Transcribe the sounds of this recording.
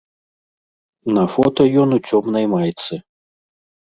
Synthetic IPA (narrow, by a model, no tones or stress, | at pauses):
nɐfɔt̪ɐjɔnut͡sʲɔmnɐjmajt̪sɨ